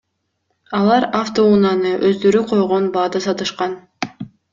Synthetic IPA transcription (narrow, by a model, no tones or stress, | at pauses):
ɑlˠɑɾaft̪o̞unɑnɯʔøzd̪ø̞ɾyqʰo̞jʁo̞nbɑːd̪ɯsɑt̪ɯʃqɑn